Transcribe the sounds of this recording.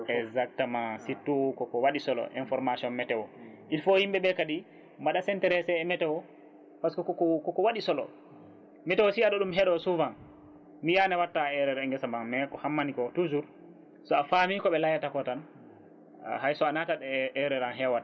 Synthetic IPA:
ɛzak̚tamãsitːukɔkɔwaɗisɔlɔ̰ʔḭnfɔɾmasiɔnmɛtɛwɔʔilfohimbɛɓɛkadi | maɗasɛntɛɾɛsɛːmɛtɛwɔ | paskɔkɔkɔkɔkɔwaɗisɔlɔ̰ | mɛtɛwɔsiaɗɔɗumɦɛɗɔsuvan | mijanɛwatːaɛɾɛɾɛŋɡɛsamanmɛkɔhamːanikɔtud͡ʒuɾ | sɔafamikɔɓɛlajatakɔtan̰ | hajsɔanataɗɛʔɛɾɛɾanɦɛwat

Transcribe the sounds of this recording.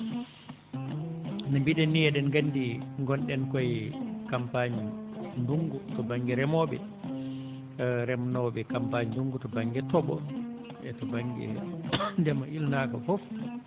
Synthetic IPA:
nambiɗɛnːijɛɗɛnɡanːdiŋɡɔnɗɛnkɔjkampaɲinduŋɡutɔbaŋɡɛɾɛmɔɓɛ̰ | ɾɛmnɔɓɛkampaɲnduŋɡutɔbaŋɡɛtɔɓɔ̰ | ʔɛtɔbaŋɡɛ̰ndɛmaʔilnaːkɔfɔf

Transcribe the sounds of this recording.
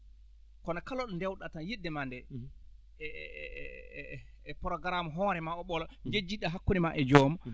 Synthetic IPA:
kɔnakalɔɗɔndɛwɗatajiɗːɛmandɛ | ɛ | pɔɾɔɡaɾamɔɦɔːɾɛmaɔɓɔlɔd͡ʒed͡ʒiɗːaɦakːunimaʔɛd͡ʒɔmɔ

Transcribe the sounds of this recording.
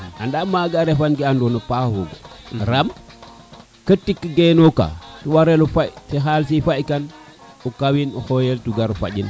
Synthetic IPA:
andamaɡaɾefanɡiandonupahuɡo̰ɾam | kətːikːəɡenoka̰tuwaɾelufajsiɦalsifajkan | ukawinuhojeltuɡaɾufa̰ɟin

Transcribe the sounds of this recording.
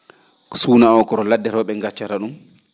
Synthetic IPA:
ksuːnaɔkɔɾɔladːɛɾɔɓɛŋɡat͡ʃːaɾaɗum

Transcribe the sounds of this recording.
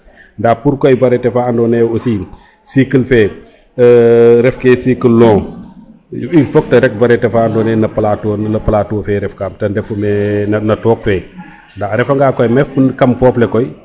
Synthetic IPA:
ndapuɾkɔjvɐɾɛtɛfandɔnɛusi | sikəlfɛː | ɾɛfkɛsikəlːɔ̃ | ifɔk̚tɐɾɛk̚vɐɾɛtɛfaːndɔnɛnɐpɐlatɔnlɐpɐlaːtɔːfɛɾɛfkaːmtɐndɛfumɛnɐnɐtɔːk̚fɛː | ndaɾɛfɐŋɡaːkɔjmɛfnkɐmfɔːflɛkɔj

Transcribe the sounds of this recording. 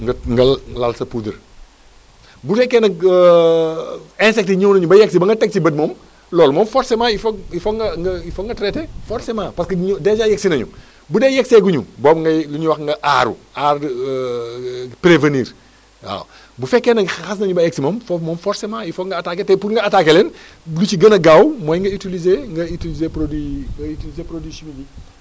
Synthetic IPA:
ŋɡɐŋɡɐlalsɐpuːdɐ̰ɾ | bufɛkːɛnɐkː | ɛ̃nsɛk̚tiɲuwnɐɲubɐjɛk̚sibɐŋɡɐtɛk̚sibɐd̚mɔːm | lɔːlmɔːmfɔɾsemaːifɔifɔŋɡɐŋɡɐifɔŋɡɐtɾɛtɛfɔɾsemaːpɐskɐɲdɛd͡ʒaːjɛksinɐɲṵ | budɛːjɛksɛɡuɲṵbɔːbŋɡɐluɲuwɐxŋɡɐʔaːɾṵaːɾ | pɾevənḭːɾ | wa̰ːw | bufɛkːɛnɐxɐs̬nɐɲubɐɛk̚simɔːmfmɔːmfɔɾsemaifɔŋɡɐɐtaketɛpuɾŋɡɐɐtaːkelɛn | lut͡ʃiɡɐnɐɡaːwmɔːjŋɡɐitilizeŋɡɐitilizepɾodwiŋɡɐitilizeːpɾodiːsimiɡi

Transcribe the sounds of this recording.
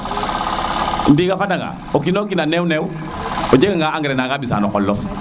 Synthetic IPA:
ndiɡafadaŋa̰ | okinokinanɛwnɛw | od͡ʒekaŋɡaaŋɡɾɛnaɡabisa̰nɔkɔlːɔf

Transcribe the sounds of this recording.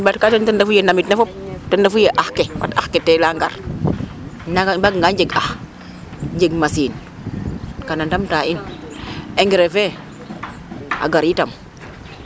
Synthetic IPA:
bat̚katəntəndafujenamitnefɔp̚təndafujeʔaxkewa̰taxketɛlaŋɡa̰ɾ | nabaɡŋɡaɲd͡ʒeɡax | ɲd͡ʒeɡmasiːn | kanandamtain | eŋɡɛɾefɛ | a̰ɡaɾitam

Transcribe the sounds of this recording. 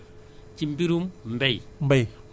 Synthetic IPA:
t͡ʃimpiɾummbejmbej

